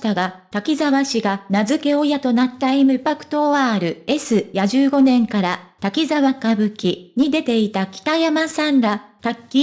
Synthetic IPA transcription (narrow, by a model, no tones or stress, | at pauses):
t̪aɡat̪akʲizaβaɕiɡanazɨke̞o̞jat̪o̞nat̪ːaimɯ̟pakɯ̟̥t̪o̞aːɾɯ̟e̞sɨjaʑɨːɡo̞nẽ̞ŋkaɾat̪akʲizaβakabɯ̟kʲiɲ̟id̪e̞t̪e̞it̪akʲi̥t̪ajamasãnɾat̪akʲːi